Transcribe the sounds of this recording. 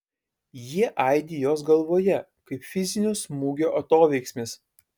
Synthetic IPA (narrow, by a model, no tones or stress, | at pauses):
jiɛʔɐˑɪd̪ʲijoːsɡɐlˠʋoːjɛ | kɐɪpfʲɪzʲɪnʲʊsmuːɡʲoːʔɐt̪oːʋʲɛɪksʲmʲɪs